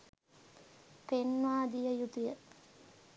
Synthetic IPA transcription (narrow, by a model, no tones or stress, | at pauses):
penʋaːd̪ijəjut̪ujə